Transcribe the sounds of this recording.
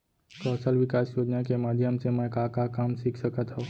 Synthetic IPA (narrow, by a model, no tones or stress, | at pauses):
kɔːsəlʋɪkaːsjoːd͡ʒnakemaːd̪ʱjəmsemẽkakakaːmsikʰsəkət̪ɦɛ